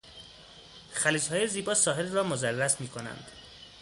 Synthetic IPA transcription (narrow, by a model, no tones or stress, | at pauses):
xæliːd͡ʒhɒːjeziːbɒːsɒːɦe̞lrɒːmozærːæsmiːkʰonæ̰nd̪̥